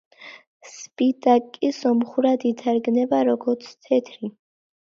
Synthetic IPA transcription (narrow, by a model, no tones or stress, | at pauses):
spit̪ʼakʼisɔmχuɾad̪it̪ʰaɾɡnɛbaɾɔɡɔɾt̪sʰt̪ʰɛt̪ʰɾi